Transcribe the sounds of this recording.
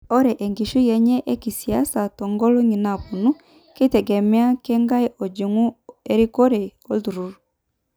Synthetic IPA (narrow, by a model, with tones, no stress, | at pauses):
ɔ˦ɾɛ˨ʔe˨ŋɡi˨ʃu˦jɛ˨ɲɛ˦ʔe˦ki˨sia˦sa˨tɔ˨ŋɡɔ˦lo˦ŋi˨na˨pu˨nu˦ | ki˦tɛ˨ɡɛ˨mea˦kɛ˦ŋɡa˦i˦ʔɔ˨d͡ʒi˨ŋu˦e˦ɾi˦ko˦ɾɛ˨o˦ðu˨ɾu˨ɾu˨